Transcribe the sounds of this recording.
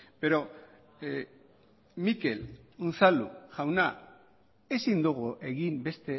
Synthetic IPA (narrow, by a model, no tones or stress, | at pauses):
be̞ɾo̞ | mike̞lunsalṵʝawna | e̞sind̪uɣ̞uʔe̞ɣimbe̞st̪e̞